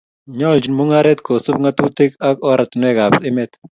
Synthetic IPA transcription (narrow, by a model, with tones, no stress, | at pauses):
ɲɔ˦ld͡ʒi˨nmu˦ŋa˦ɾɛ˦t̪kʰo˨su˦b̚ŋa˦tu˦te˦ka˦kɔ˦ɾa˨t̪nɛ˦ka˨bsɪ˦mɛ˦t̪